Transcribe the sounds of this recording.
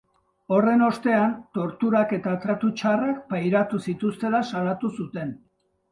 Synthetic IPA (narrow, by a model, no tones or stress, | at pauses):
o̞re̞no̞st̪e̞ant̪o̞ɾt̪uɾake̞t̪at̪ɾat̪ut͡ʃarakpajɾat̪usit̪ust̪e̞lasaɾat̪usut̪e̞n